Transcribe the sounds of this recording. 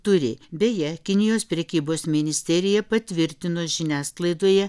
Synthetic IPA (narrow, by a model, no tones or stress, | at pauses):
t̪ʊɾʲɪbʲɛjɛkʲɪnʲɪjoːspʲɾʲɛkʲiːboːsmʲɪnʲɪsʲt̪ʲɛɾʲɪjɛpɐt̪ʲʋʲɪɾʲt̪ʲɪnoːʒʲɪnʲæːsklˠɐɪd̪oːjɛ